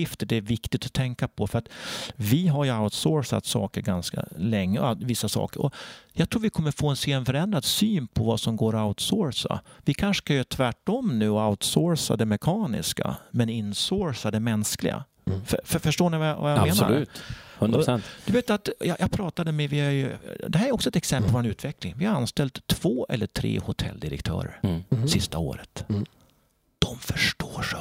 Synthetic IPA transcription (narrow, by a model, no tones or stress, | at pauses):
ɪft̪əɖɛæɾvɪkt̪ɪt̪ɔ̥t̪ʰɛŋkapʰɔfœɾat̪vɪɦaɾjɵaʊt̪soːɾsa̰t̪sɑ̰ːkəɾɡanska̰lɛŋːəavɪsːasɑ̰ːkəɾɔ̰jɑːɡt̪ʰɾuːɾvɪkʰɔmːəɾfoːɛnseːɛnfœɾɛnd̪ɾad̪syːnpʰɔvasɔmɡoːɾaʊt̪soːɾsa̰vɪkʰanʂə̥kajøːt̪ʰvæʈːɔmːnʉ̟ːaʊt̪soːɾsa̰d̪ɛmɛkʰɑːnɪ̰ska̰mɛnɪnsoːɾsad̪ɛmɛnsklɪ̰ɡa̰ | fffœʂʈoːɳɪvavajameːnsa̰lʉːthɵnɾɛnd̪̥ɵveːt̪ːat̪jɑjʔɑɡpʰɾɑːt̪ad̪əmɛvɪhæɾjɵd̪ɛɦæɾæɾɔksɔɛt̪ɛksɛmpəlpvɔɾɛnʉ̟ːt̪ʰvɛklɪŋvɪhaɾanst̪ɛlt̪ʰːv̥oːʔɛ̰lːəʈʰɾḛːhʊt̪ʰɛ̰lːd̪ɪɾə̰kt̪ʰœ̰ːɾə̰ɾsɪst̪ao̰ːɾət̪ | d̪̥ɔmfœʂʈoːʂ